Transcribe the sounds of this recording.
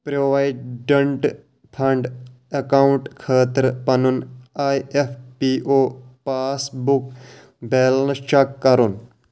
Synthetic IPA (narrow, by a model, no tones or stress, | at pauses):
pɾoʋajɖ̚ɖəɳʈ | pʰɐɳɖ | ɐkauɳʈkʰaːt̪əɾpɐnunajepʰpiʔoːpaːsbuk | belnst͡ʃakːɐɾun